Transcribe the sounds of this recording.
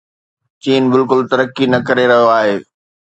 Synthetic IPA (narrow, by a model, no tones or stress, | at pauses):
t͡ɕiːnbɪlkʊlt̪ɐɾəkːinɐkɐɾeɾɐɦijoaːɦeː